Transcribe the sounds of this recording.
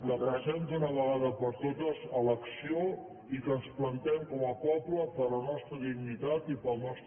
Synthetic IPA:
ləpɾəzɛnd̪unəβəɣaðəpəɾt̪ot̪əzələksio | ikənsplənt̪ɛmkɔməpɔpləpəɾlənɔst̪ɾəðiɡnit̪at̪ipəlˠnɔst̪

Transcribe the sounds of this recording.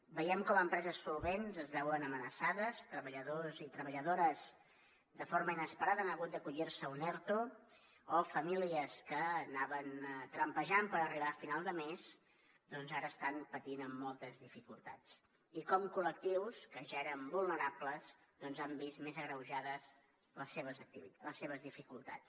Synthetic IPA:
bəjɛmkɔməmpɾɛzəsːulˠβenzəzβɛwənəmənəsaðəst̪ɾəβəʎəðozit̪ɾəβəʎəðoɾəz | d̪əfoɾməinəspəɾaðəanəɣut̪̚d̪əkuʎirsəunɛɾt̪oː | fəmiliəskəːnaβənt̪ɾəmpəʒampəɾəriβaːfinalˠd̪əmez | d̪ɔnzaɾəːst̪anpət̪inəmːɔlˠt̪əzðifikulˠt̪at͡s | ikɔmkulək̚t̪iwskəʒaeɾəmbulˠnəɾapləz | ðɔnzambismezəɣɾəwʒaðəz | ləsːeβəzək̚t̪iβiləsːeβ̞əzðifikulˠt̪a̰t͡s

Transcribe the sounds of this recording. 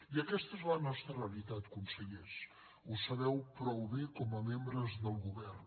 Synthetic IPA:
iəkɛst̪əezlənɔst̪ɾəreəlit̪at̪kunsəʎes | usəβɛwpɾɔwβekɔməmembɾəzðəlˠɣuβɛrn

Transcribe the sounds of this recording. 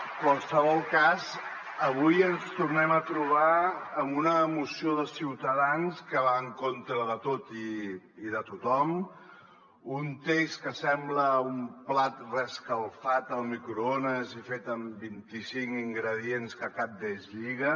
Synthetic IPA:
kwalˠsəβ̞ɔlˠkaz | əβ̞ujənst̪urnɛmət̪ɾuβ̞aəmunəːmusioðəsiwt̪əðanskəβaŋkont̪ɾəðət̪ot̪iː | ðət̪ut̪ɔm | unt̪eskəsɛmbləumplat̪rəskəlˠfat̪əlˠmikɾuonəzifet̪əmbint̪isiŋkiŋɡɾəð̞ienskəkap̚d̪ezʎiɣə

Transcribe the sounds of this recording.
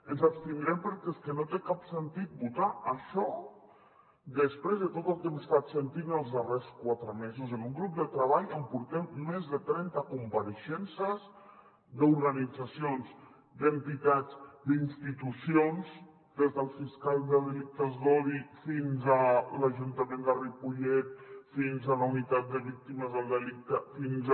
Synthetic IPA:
ənzapst̪inɾɛmpəɾkɛskənot̪ekapsənt̪it̪̚but̪aəʃɔ | d̪əspɾezðət̪ot̪əlˠkɛməst̪at̪sənt̪inəlˠzðəreskwat̪ɾəmezuzənuŋɡɾup̚d̪ət̪ɾəβaʎəmpuɾt̪ɛmːezðət̪ɾɛnt̪əkumpaɾəʃɛnsəz | d̪uɾɣanid͡zasionz | d̪ənt̪it̪ad͡zd̪inst̪it̪usions | d̪ezðəlˠfiskalˠðəðəlik̚t̪əzðɔðifinzələʒunt̪əmẽnd̪əripuʎɛt̪̚finzələunit̪at̪̚d̪əβik̚t̪iməzðəlˠd̪əlik̚t̪əfinz

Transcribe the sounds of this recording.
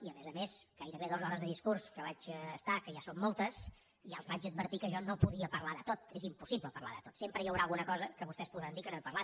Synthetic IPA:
iəmezəmesɡ̥ajɾəβeðɔzɔɾəzðəðiskurskəβad͡ʒːst̪akəʒasomːolˠt̪əs | ʒaəlˠzβad͡ʒəd̪̚bərt̪ikəʒɔnopuðiəpəɾlaðət̪ot̪ezimpusiβləpərla̰ðət̪ot̪sempɾəjəwɾaːlˠɣunəkɔzəkəβust̪ɛspuðɾand̪ikənoepərlat̪

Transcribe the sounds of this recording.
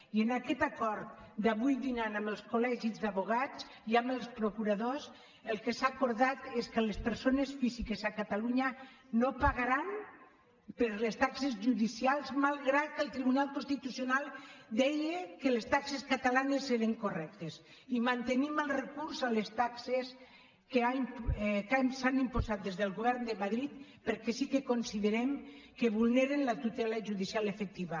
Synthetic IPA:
ienakɛt̪akɔɾt̪̚d̪aβujd̪inanaməlˠskolɛʒizdaβoɣ̞at͡s | iaməlˠspɾokuɾaðos | əlˠkesakoɾðat̪eskəlespəɾsonesfizikezakat̪aluɲa | nopaɣaɾan | pəɾlest̪aksezʒuðisialˠzmalˠɣɾat̪̚kəlˠt̪ɾiβunalˠkonst̪it̪usionalˠd̪ɛjekelest̪akseskat̪alanesːeɾeŋkorɛk̚t̪es | imant̪eniməlˠrekuɾsalest̪akses | keaimpkasanimpozat̪̚d̪ezðelˠɣoβɛɾnd̪emaðɾit̪ | peɾkɛsikekonsiðeɾɛmkeβulˠneɾenlat̪ut̪ɛlaʒuðisialefek̚t̪iβa

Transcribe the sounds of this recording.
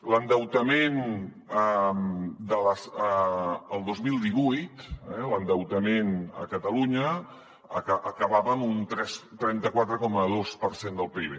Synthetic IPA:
lənd̪əwt̪əmen | əmd̪ələsəəlˠd̪ozmilˠd̪iβujt̪ɛlənd̪əwt̪əmenə̰kət̪əluɲə | kəβaβəːmunt̪ɾɛst̪ɾɛnt̪əkwat̪ɾəkɔməðospəɾsend̪əlˠpiβe

